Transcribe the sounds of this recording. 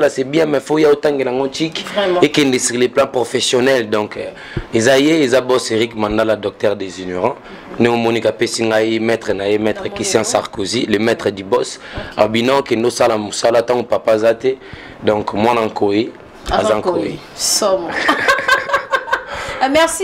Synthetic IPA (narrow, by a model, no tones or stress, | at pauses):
alasɛbjɛ̃mɛfojaotãŋɡelaŋɡotikekɛndesiʁleplãpʁofesjonɛldɔ̃k | ezajeezabɔseʁikmãndaladɔk̚tɛʁdezinoʁɑ̃ | ndeŋomonikapesiŋɡaimɛtʁɛnajemɛtχɛkistjãsaʁkozilemɛtχɛdibɔsa̰binɔ̃kendosalamosalatãŋopapazate | dɔ̃kmwanaŋkʰoe | a̰zaŋkoe | mɛsi